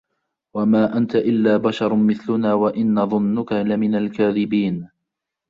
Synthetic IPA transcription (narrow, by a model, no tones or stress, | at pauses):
wamaːʔant̪aʔɪlːaːbaʃɑɾˤmɪθlʊnaːwaʔɪnːaðˤʊnːʊkalɪmɪnalkaːðɪbiːn